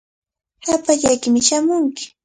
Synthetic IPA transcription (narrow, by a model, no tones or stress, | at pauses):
hapaʎajkɪmɪʃamʊŋkɪ̥